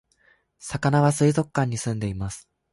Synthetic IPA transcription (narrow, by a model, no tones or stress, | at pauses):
sakanaβasɨizo̞kːãɲ̟ːisɨ̃nd̪e̞imasɨ̥